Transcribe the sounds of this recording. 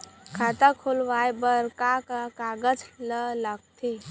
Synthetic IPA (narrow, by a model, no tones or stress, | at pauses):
kʰat̪akʰolʋajbəɾkakakaɡəd͡ʒlələɡ̚t̪ʰe